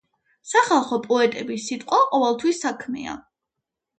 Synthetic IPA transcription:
saχalˠχɔpʼɔɛt̪ʼɛbisːit̪ʼqʼwaqʼɔvɛlˠt̪ʰwisːakʰmɛ̰a̰

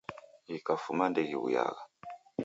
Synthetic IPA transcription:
ikafumandɛɣiṵja̰ɣa

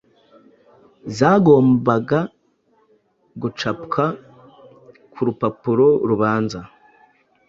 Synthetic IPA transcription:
zaːɡo̞ːmbaɡa | ɡut͡ʃapkʰa | kʰuɾupapuɾo̞ɾuβaːnza

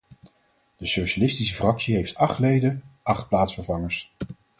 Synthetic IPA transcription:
d̥əsowʃalɪstis̬əfrɑksiɦejftɑχtlejdəʔɑχt̚plaːtsfəɹvɑŋəɹs

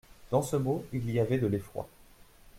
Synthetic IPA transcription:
d̪̥ɑ̃səmoiliavɛd̪əlefχwa̰

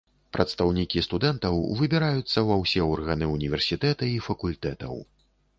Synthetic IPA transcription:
pɾʔɐt̪st̪awnʲikʲist̪ud̪ɛnt̪ɐwvɨbʲɛɾajut̪sːɐvɐwsʲɛɔrɣɐnɨunʲivʲɛrsʲit̪ɛt̪ɐifɐkulʲt̪ɛt̪ɐ̰w

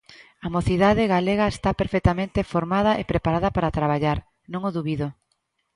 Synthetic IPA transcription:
amoθiðaðɪɣaleɣaest̪apeɾfekt̪amẽnt̪efoɾmað̞ɐʔepɾepaɾaðɐpaɾat̪ɾaβ̞aʎaɾ | nõŋʊðuβiðo

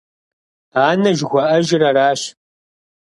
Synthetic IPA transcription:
aːnɐʒɣʷɔʔɐʒɪrɐɾaːɕ

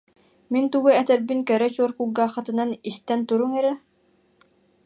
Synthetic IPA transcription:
mint̪uɡuɛt̪ɛɾbinkɛɾɛt͡ɕuɔɾkuɡaːχat̪ɯ̆nanist̪ɛnt̪uɾuŋɛɾɛ

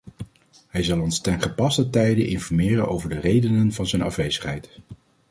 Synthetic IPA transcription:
ɦɛjzɑlˠɔnstɛnχəpɑstətɛjdəʔɪnfɔɹmɪːrənʔo̰wvəɹdərejdənənvɑnzɛnɑfʋejzəχɦɛjt

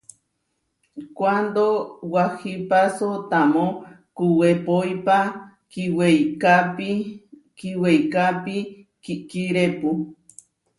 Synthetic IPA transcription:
kʷand̪owahipasot̪amõ | kuwepojpa | kiwejkapi | kiwejkapi | kikiɾepu

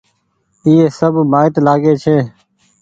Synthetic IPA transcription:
iːeːsəbʱmaːɪt̪laːɡeːt͡ʃʰeː

